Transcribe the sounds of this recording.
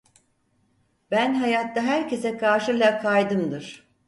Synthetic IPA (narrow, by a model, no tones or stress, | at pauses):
bænɦajat̪ːaɦæɾcʰe̞sɛkʰaɾʃɯlʲˠakʰajd̪ɯmd̪ɯɾ̥